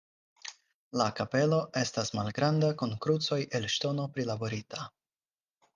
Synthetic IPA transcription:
lakape̞lo̞ʔe̞stasmalɡɾandakunkɾut͡so̞jʔe̞lʃto̞no̞pɾilabo̞ɾita

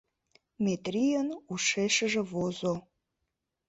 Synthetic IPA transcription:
mʲet̪rijənuʃeʃəʒĕvozo

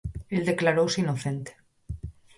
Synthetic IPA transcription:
eld̪eklaɾowsinoθent̪e̥

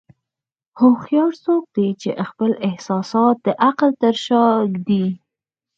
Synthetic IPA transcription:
hoxjɑɾsok̚d̪et͡ʃḛʔxpəlɪhsɑsɑt̪̚d̪əʔaqlt̪əɾʃɑɡd̪i

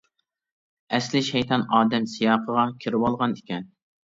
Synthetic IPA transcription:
ɛslɪʃɛjt̪ʰɑnɑːd̪ɛmsijɑːqʰəʁɑkʲʰiɾɪwɑlˠʁɑnɪkʲɛn

